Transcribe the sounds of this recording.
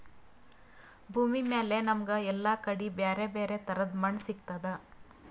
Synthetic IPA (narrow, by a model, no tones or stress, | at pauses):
bʱuːmimeːle̞nɐmɐɡɐɛlːakɐɽibeːɾebeːɾe̞t̪ɐɾɐd̪mɐɳsikt̪ɐd̪e